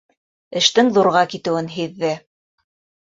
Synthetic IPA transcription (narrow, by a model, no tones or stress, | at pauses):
ɘ̆ʃt̪ɘŋðuɾʁɑkit̪ɘ̆wɘnɦiðːɘ